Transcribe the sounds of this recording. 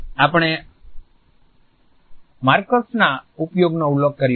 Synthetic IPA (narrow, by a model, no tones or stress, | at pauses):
apɽ̃e | maɾkosnaupjoɡnoulːək̚kəɾ